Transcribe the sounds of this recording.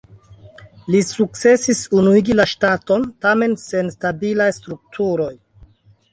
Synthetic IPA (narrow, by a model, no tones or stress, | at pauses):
lisuk̚t͡se̞sisunuiɡilaʃtato̞ntame̞nse̞nstabilajstɾuk̚tʰuɾo̞j